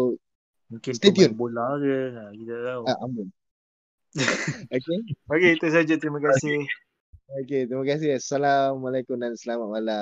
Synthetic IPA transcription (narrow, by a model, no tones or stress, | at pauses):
mũŋkɪnst̪ed̪iiunbolaɡəakit̪at̪auaʔambʊn | okeoket̪us̬ad͡ʒət̪ɾiməkasih | oket̪ɾiməkas̬ɪɦasalamalajkumdansəlamat̪̚mala